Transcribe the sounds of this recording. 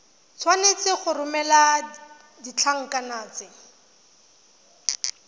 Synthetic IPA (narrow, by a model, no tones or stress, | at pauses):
t͡sʰwanet͡sɪχʊrʊmɛla | dit͡ɬʰaŋ̩kanaːt͡sɪ